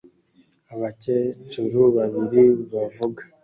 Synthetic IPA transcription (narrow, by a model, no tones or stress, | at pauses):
aβacet͡ʃuɾuβaβiɾiβavuɡa